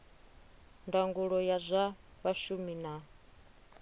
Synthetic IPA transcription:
ndaŋɡuɺɔjazʷaβaʃumina

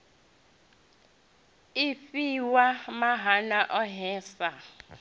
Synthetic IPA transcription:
ifiwamaɦanaʔɔɦɛːsa

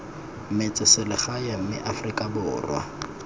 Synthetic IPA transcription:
mɪt͡sʼɪsɪlɪχajam̩mɪ̰ʔafrikʼabʊːrwa̰

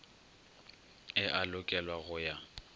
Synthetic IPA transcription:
ɪʔalʊkʼɛlwaɣʊja

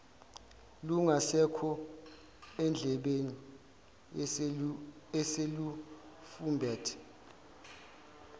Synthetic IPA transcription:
luŋasɛkʰɔ | ɛnd͡ɮʱɛɓeni | ɛselufumbʱɛːtʰɛ̥

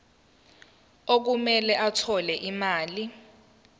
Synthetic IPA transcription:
ok̬umɛlɛʔatʰɔlɛʔimaːli

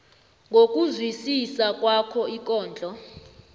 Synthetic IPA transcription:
ŋɡʱok̬ʼuzwisisak̬ʼwakʰɔik̬ʼɔːnd͡ɮʱɔ

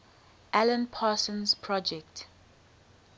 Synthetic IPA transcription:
ʔalə̃npʰaːsɔ̃nzpʰɹɔd͡ʒɛkt

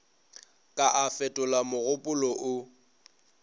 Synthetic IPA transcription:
kʼaʔafɛtʼʊlamʊɣʊpʼʊlɔʔʊ

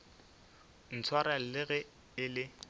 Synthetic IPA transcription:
n̩t͡sʰwaɾalɪɣɛ | ɪlɪ

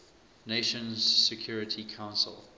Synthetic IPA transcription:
neɪʃə̃nz̥sɛkʰj̥ɔːɹɪtʰikʰãʊ̃nsə̰lˠ

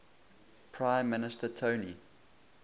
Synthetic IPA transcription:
pʰɹãɪ̃mːɪnɪstətʰoʊni

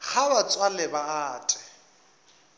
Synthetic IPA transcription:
ɣʰaβat͡sʼwalɛbaaːtʼɪ̥

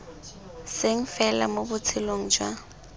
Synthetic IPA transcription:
seŋ̩fɛla̰mobʊt͡sʰɪloŋ̩d͡ʒwa

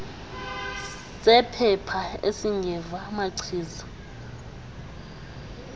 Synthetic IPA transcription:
sʼɛpʰɛpʰaesiŋɡʱɛvamaǀʰiːza

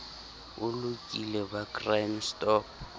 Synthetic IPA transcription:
ʊlʊkʼilɛbakʼramstʼɔ

